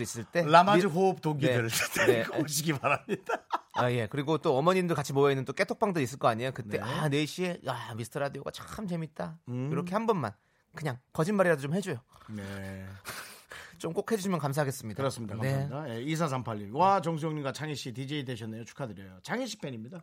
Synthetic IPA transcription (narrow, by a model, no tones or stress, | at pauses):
is͈ɯɭt͈e̞lamad͡ʑiɦoːp̚toɡieɾs͈ɯɭteneoɕ̬iɡipaɾamɲid̥aje̞kɯɾiɡot͈oʌmʌɲindɯɭkat͡ɕʰimojʌinːɯnt͈ok͈e̞tʰok̚p͈aŋdɯɾis͈ɯɭk͈ʌaɲejokɯtt͈e̞ʔane̞ɕ͈ʰie̞amisʰɯtʰɯɾadijoɡa̰t͡ɕakʰɯmt͡ɕe̞mit̚t͈aiɾʌkʰe̞hambʌnma̰n | kɯɲaŋkʌd͡ʑinbaɾiɾadot͡ɕomhe̞d͡ʑojone | t͡ɕ͈omk͈okʰhe̞d͡ʑuɕʰimjʌnkamsʰaɦaɡe̞s͈ɯmɲidaɯɾʌs͈ɯmɲidakaneaajeis̬ʰas̬ʰampʰaʎːiwat͡ɕʌŋs̬ʰujoŋɲiɡat͡ɕʰaŋiɕ͈ʰitid͡ʑeideɕʰʌnːejot͡ɕʰu̥kʰadɯɾjejot͡ɕaŋiɕ͈ʰi̥pʰeɲimɲida